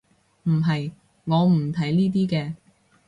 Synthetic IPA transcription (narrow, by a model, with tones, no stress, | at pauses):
m̩˨˩ɦɐ˨j | ŋɔː˨˧m̩˨˩t̪ʰɐ˨˥jniː˥t̪̬iː˥kɛː˧